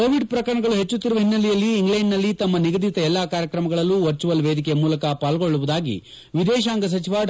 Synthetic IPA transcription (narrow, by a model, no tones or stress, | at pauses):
koːʋiɖpɾɐkɐɾɐɳɐɡɐɭuɦe̞t͡ʃːut̪ːiɾuʋɐɦinːɐlɛjɐlːiːŋɡlɐɳɖnɐlːit̪ɐmːɐniɡɐd̪it̪ɐɛlːakaːɾjɐkɾɐmɐɡɐɭɐlːuʋɐɾt͡ʃuʋɐlʋeːd̪ikɛjɐmuːlɐkɐpaːlɡoɭːuʋud̪aːɡḭ | ʋid̪ɛːʃ̬aːŋɡɐs̬ɐt͡ʃiʋa